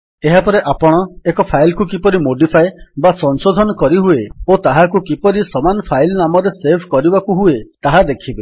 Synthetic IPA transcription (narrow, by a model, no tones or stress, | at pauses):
eɦapɔɾeʔapɔɽ̃ɔekɔpʰajlkukipɔɾimoɖipʰajbasɔnsod̪ʱɔnɔkɔɾiɦueot̪aɦakukipɔɾisɔmanɔpʰajlnamɔɾesebʰʱkɔɾibakuɦuet̪aɦad̪ekʰibe